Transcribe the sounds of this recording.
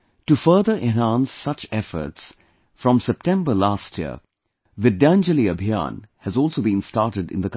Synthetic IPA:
tufəːðə˞ʔɛ̃nɦæ̃nsːʌt͡ʃɛfə̰˞ts | fɹɔ̃msɛp̚tɛ̃mbə˞lastʰjḭə̰ | ʋɨdæ̃nd͡ʒəliəbʱiã̰nhɨzɔːlˠsoːbĩnstɑɹʈəɖɪ̰̃nd̪ək

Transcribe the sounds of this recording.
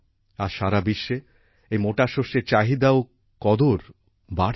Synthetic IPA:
aɾʃaɾabiʃːe | ejmoʈaʃoʃeɾt͡ɕaɦid̪ao | kɔd̪oɾ | baɾ

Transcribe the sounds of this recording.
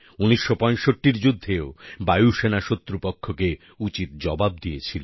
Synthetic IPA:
uniʃːopɔ̃jʃoʈːiɾd͡ʑud̪ʱːeobajuʃenaʃot̪ːɾupokʰːoke | ut͡ɕit̪̚d͡ʑɔbabd̪ijet͡ɕʰilo

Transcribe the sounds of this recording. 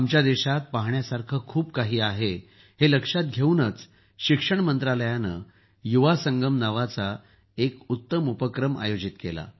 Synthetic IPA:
amt͡ɕjad̪eɕat̪̚paɦɳjasaɾkʰəkʰuːpkaɦiːaɦe | heləkʂat̪̚ɡʱeunət͡s | ɕikʂəɳmənt̪ɾaləjanə̰ | juʋasəŋɡəmnaʋat͡sa | ekut̪ːəmupəkɾəma̰jod͡ʑit̪kela̰

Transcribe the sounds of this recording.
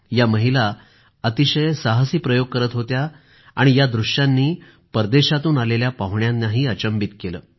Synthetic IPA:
jaməɦila | ət̪iɕəjsaɦasiːpɾəjoɡ̚kəɾət̪ɦot̪ja | a̰ɽ̃ijad̪ɾuɕjanːiː | pəɾd̪eɕat̪uːnaleljapaɦuɳjannaɦiːət͡ɕəmbit̪kelə̰ː

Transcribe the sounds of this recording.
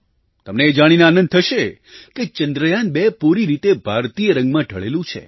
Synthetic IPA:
t̪əmneːd͡ʒaɽ̃inaaːnə̃nd̪̚t̪ʰəʃe | ket͡ʃənd̪ɾəjanbepuɾiɾit̪ebʱaɾt̪ijəɾə̃ŋɡmãʈəɭḛlũt͡ʃʰḛ

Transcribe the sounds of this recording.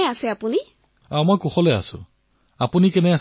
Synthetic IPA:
ɛasɛapuni | ãmojkuxɔlɛa̰sʊ̰̃ | apunikɛnɛa

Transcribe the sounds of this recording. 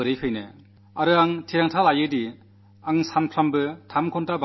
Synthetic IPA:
ɯɾɯjpʰɯjnɯ | aɾɯaŋtʰiɾaŋtʰalajɯdi | aŋsanpʰɾambɯtʰamkʰɔntaba

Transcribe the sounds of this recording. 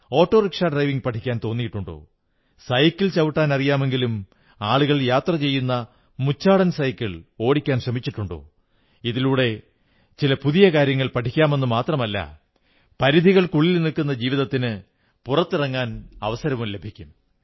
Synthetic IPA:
o̞ːʈːo̞ːrikʂaːɖrɐjʋiŋɡpɐʈʰːikʲːaːnt̪o̞ːnːijiʈːuɳɖo̰ː | sɐjkːilt͡ɕɐʋiʈːaːnɐrijaːme̞ŋɡilum | aːɭuɣɐɭjaːt̪rɐt͡ɕe̞jːunːɐ | mut͡ɕːaːɽɐnsɐjkːiɭo̞ːɽikʲːaːnɕrɐmit͡ɕːiʈːuɳɖo̰ː | iðiluːɽe̞ | t͡ɕilɐpuðijɐkaːɾjɐŋːɐɭpɐʈʰikʲːaːme̞nːumaːt̪rɐmɐlːɐ̰ | pɐɾiðʱiɣɐɭkuɭːilnilkunːɐd͡ʑiːʋiðɐt̪ːinɨ | purɐt̪ːɨrɐŋːaːnɐʋɐsɐɾɐʋumle̞bʱikʲːum

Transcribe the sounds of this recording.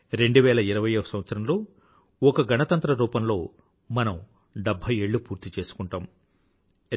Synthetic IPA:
ɾe̞ɳɖuʋɛːlɐiɾɐʋɐjɐɐsɐmʋɐt̪sɐɾɐmlo̞ː | ɔkɐɡɐnɐt̪ɐnt̪ɾɐɾuːpɐmlo̞ː | mɐnɐm | ɖɐbʱːɐjeːɭːupuːɾt̪it͡ʃe̞ːsu̥kuɳʈaːm

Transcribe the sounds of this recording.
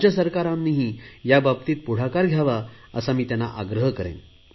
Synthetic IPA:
d͡ʑjəsəɾkaɾãmːiɦijababt̪iːt̪̚puɽ̤akaɾɡʱjaʋaə̰samiːt̪janːa̰ʔaɡɾəɦkəɾḛ̃m

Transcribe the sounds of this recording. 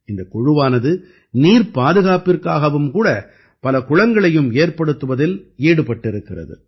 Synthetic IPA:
ɪnd̪ɐkʊɻʊʋaːnɐðɯ | niːɾpaːðɯɣaːpɪrkaːɣɐʋɯmkuːɽɐ | pɐlɐkʊɻɐŋɡɐɭɐjɯmeːrpɐɽɯt̪ːɯʋɐðɪliːɽɯpɐʈːɪɾɯkːɪrɐ̰ðɯ̰

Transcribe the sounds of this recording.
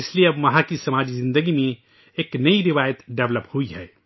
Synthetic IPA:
ɪslieɐbmɐɦãkisɐmaːd͡ʒizɪ̃nd̪əɡimẽ | eːknɐiɾɪʋaːjət̪ɖɛʋləphuiɦɛː

